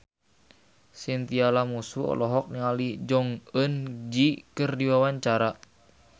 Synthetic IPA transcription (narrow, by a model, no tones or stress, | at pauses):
sint̪ialamusuɔ̰lɔɦɔk̚niŋalid͡ʒɔŋənd͡ʒikərdiwawaɲt͡ʃaɾa